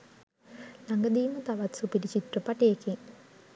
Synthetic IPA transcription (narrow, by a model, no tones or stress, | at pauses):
lɐŋɡɐd̪iːmɐt̪ɐʋɐt̪supiɾit͡ɕit̪rəpɐʈijekiŋ